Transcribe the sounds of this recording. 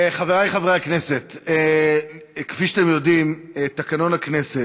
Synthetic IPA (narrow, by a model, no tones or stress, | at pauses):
χaveʁajχaveʁeaknese̞t̪ː | kfiʃat̪emjo̞dimet̪akano̞nakne̞set